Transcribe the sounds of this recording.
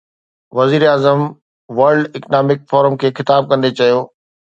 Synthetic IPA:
ʋɐziːɾaːzəm | ʋɐɾɖɪknaːmɪk̚fɔːɾəmkʰeːxɪt̪aːb̚kɐ̃nd̪et͡ɕɐjoː

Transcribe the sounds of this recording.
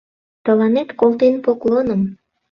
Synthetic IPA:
t̪ə̆lɑnet̪kolt̪enpoklonəm

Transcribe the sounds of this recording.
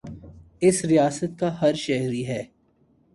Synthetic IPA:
ɪsɾijaːsət̪̚kaɦɐɾʃɛɦɾiɦɛː

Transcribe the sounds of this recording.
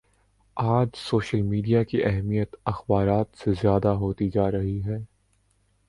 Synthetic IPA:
aːd͡ʒsoːʃəlmiːɖijakiʔɛɦmijət̪ɐxbaːɾaːt̪sezjaːd̪aɦoːt̪id͡ʒaːɾɐɦiɦɛː

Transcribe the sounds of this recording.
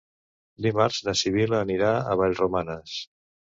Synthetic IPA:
d̪imaɾzðəsiβ̞iləːniɾaə̰β̞aʎrumanəs

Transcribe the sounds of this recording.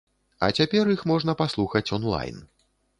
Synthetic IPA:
ɐ̰t͡sʲapʲɛrjixmɔʐnɐpaslˠuxɐt͡sʲɔnlˠa̰jn

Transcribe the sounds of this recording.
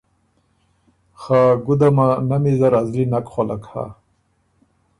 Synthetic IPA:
xaɡud̪amanamizaɾazlinakχola̰kha̰

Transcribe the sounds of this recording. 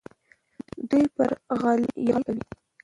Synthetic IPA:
d̪ujpəɾɣaljɑkawi

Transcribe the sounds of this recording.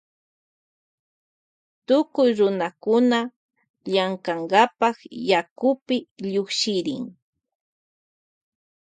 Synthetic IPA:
t̪ʊkʊjɾʊnakʊna | ʎaŋkaŋɡapɑkjakʊpɪʎokʃɪɾɪ̰ŋ

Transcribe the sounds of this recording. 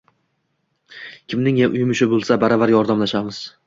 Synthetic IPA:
kʲʰɪmnɪŋjaʔʊjmɪʃɪbolˠsabaɾavaɾjɒɾd̪amlaʃamɪz̥

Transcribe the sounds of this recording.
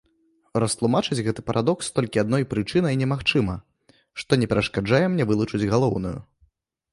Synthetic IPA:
rɐst̪lˠumat͡ʂɨd͡zʲɣɛt̪ɨ̥pɐɾʔad̪ɔkst̪ɔlʲkʲiad̪nɔjpɾɨt͡ʂɨnɐjnʲɛmaxt͡ʂɨmɐ | ʂt̪ɔnʲɛpʲɛɾɐʂkad͡ʐajɛmnʲɛvɨlˠut͡ʂɨd͡zʲɣalˠɔwnujṵ

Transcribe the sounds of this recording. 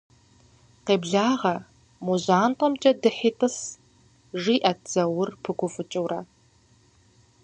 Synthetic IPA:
qeːbɮaːʁɐ | muʑaːntʼɔmt͡ʃʼɐdɨħiːtʰʼɨs | ʒiːʔɐtz̥ɐwʊrpʰɨkʷʰʊfɨt͡ʃʼɨwrɐ̰

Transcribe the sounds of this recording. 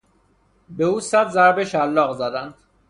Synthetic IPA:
beuːsæd̪zæɾbeʃælːɒːɣzæd̪ænd̪̥

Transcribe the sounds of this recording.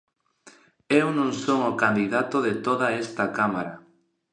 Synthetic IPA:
ewnõŋsoŋokand̪iðat̪oðet̪oðaest̪akamaɾa

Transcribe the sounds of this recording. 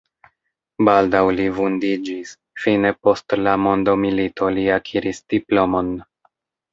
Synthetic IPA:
baldawlivundid͡ʒis | fine̞po̞stlamo̞ndo̞milito̞liakʰiɾisd̥iplo̞mo̞n

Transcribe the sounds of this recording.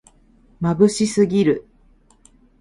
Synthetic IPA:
mabɯ̟ɕisɨɡʲiɾɯ̟

